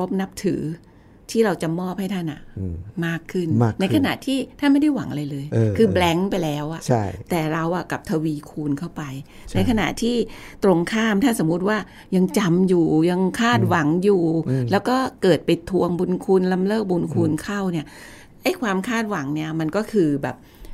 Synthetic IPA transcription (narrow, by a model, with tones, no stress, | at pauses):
ɾo˦˥p̚na˦˥p̚t̪ʰɯː˩˦ | t̪ʰiː˥˩ɾa˧wt͡ɕa˨˩ʔmɔː˥˩p̚ha˥˩jt̪ʰa˥˩nʔa̰˨˩maː˥˩kʰːɯ˥˩nmaː˥˩na˧jkʰa˧na˨˩ʔt̪ʰiː˥˩t̪ʰaː˥˩nma˥˩jda˥˩jwa˩˦ŋʔa˧ɾa˧jlɤː˧jʔkʰɯː˧blɛ˦˥ŋpa˧jlɛː˦˥wʔa˨˩t͡ɕʰa˥˩jt̪ɛː˨˩ɾa˧wʔa˨˩ka˨˩p̚t̪ʰa˧wiː˧kʰuː˧nkʰa˥˩wpa˧j | t͡ɕna˧jkʰa˧na̰˨˩t̪ʰiː˥˩t̪ɾo˧ŋkʰaː˥˩mt̪ʰaː˥˩so˩˦mːu˦˥t̪̚waː˥˩ | ja˧ŋt͡ɕa˧mjuː˨˩ja˧ŋkʰaː˥˩t̪̚wa˩˦ŋjuː˨˩lɛː˦˥wkɔː˥˩kɤː˨˩t̪̚pa˧jt̪ʰu˧əŋbu˧nkʰu˧nla˧mlɤː˥˩k̚bu˧nkʰu˧nkʰa˥˩wni˦˥˩ɐ | ʔa˥˩jkʰwaː˧mkʰaː˥˩t̪̚wa˩˦ŋni˦˥˩ɐma˧nkɔː˥˩kʰɯː˧bɛː˨˩p̚